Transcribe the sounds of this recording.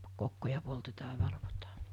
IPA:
kokːojɑ poltetɑː ɑ ʋɑlʋotɑː

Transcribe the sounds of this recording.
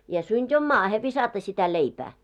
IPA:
jɑ syntʲ om mɑːhe ʋisɑtɑ sitæ leipæː

